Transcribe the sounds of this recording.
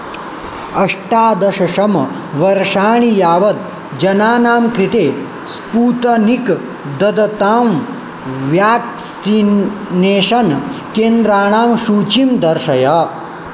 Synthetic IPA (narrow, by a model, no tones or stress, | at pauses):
ɐʂʈaːd̪ɐʃɐʃɐm | ʋɐɾʂaːɳ̃ijaːʋɐt̪̚ | d͡ʒɐnaːnaːmkɾit̪eː | spuːt̪ɐnik | d̪ɐd̪ɐt̪aːm | ʋjaːk | sineːʃɐnkeːnd̪ɾaːɳaːmʃuːt͡ʃimd̪ɐɾʃɐjɐ